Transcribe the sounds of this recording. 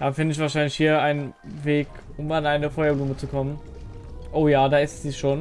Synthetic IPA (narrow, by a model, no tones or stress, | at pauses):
d̥aːfɪndəɪçv̥aɐʃaɪnlɪçhiːɐaɪnn | veːk | ʊmanaɪnəfɔjɐbluːmət͡sukʰɔmən | ʔoːjaːdaːɪstz̥iːʃoːn